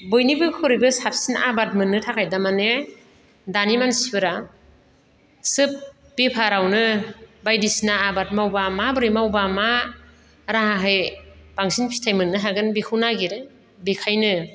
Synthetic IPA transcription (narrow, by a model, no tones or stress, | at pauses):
bojnibɯkʰɯɾibɯsap̚sina̰bat̚mɯnːɯtʰakʰajdamane | danimansibɯɾa | sɯp̚ | bipʰaɾawnɯbajdisinaːbat̚mawbamabɯɾimawbama | ɾaɦaɦɯjb̥aŋsinpʰi̥tʰajmɯnːɯɦaɡɯnbikʰunaɡiɾe | bikʰajnɯ